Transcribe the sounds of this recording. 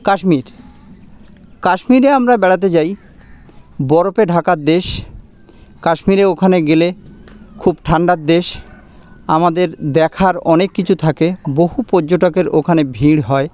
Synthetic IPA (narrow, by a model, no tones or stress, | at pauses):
kaʃmiɾ | kaʃmiɾeamɾabɛɽat̪̬et͡ɕaj | bɔɾopeɖʱakaɾd̪eʃ | kaʃmiɾeokʰaneɡelekʰubʈʰaɳɖaɾ̚d̪eʃ | amad̪eɾd̪ɛkʰaɾɔnekːit͡ɕʰut̪ʰakeboɦupoɾd͡ʑoʈokeɾo̰kʰanebʱiɽɦɔe